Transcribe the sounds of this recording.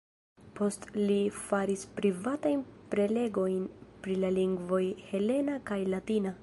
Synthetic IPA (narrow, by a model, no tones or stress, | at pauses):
po̞stlifaɾispɾivatajnpɾe̞le̞ɡo̞jnpɾilaliŋɡvo̞jhe̞le̞nakajlatina